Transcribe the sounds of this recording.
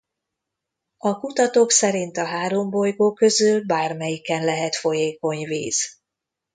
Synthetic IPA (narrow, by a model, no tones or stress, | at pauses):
ɒkut̪ɒt̪oːksɛɾint̪ɒɦaːɾo̞mbo̞jɡoːkø̞zylbaːrmɛjikɛnlɛɦɛt̪fo̞jeːko̞ɲvḭːz̥